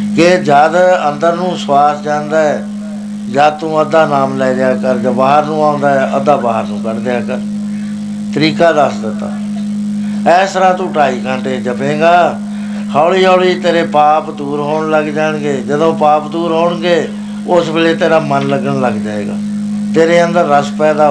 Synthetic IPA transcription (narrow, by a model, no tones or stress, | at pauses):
kɪd͡ʒad̪ənd̪əɾnũːswaːsd͡ʒãːnd̪aːɛː | d͡ʒəd̪̚t̪ũːəd̪aːnaːmlɛːlɪaːkəɾd͡ʒãːbaːɦəɾnũːãːʊ̃nd̪aːɛːʔəd̪aːbaːɦəɾnũːkəɾd̪ɪaːkəɾ | t̪əɾiːkaːd̪əsd̪ɪt̪ːa̰ː | ɛːsɾaːt̪ũːʈaːiːkʰãːɳʈeːd͡ʒəpẽːɡaː | haːliːoːliːt̪eːɾeːpaːpd̪uːɾɦoːɳləɡd͡ʒaːɳɡeːd͡ʒəd̪õːpaːpd̪uːɾɦoːɳɡeː | ʊsbɪleːt̪eːɾaːmənləɡəɳləɡd͡ʒaːḛːɡa̰ː | t̪eːɾeːənd̪əɾːəspɛːd̪aː